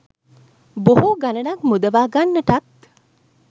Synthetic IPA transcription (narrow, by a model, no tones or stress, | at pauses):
boɦuɡanɐnakmud̪ɐʋaːɡanːɐʈɐt̪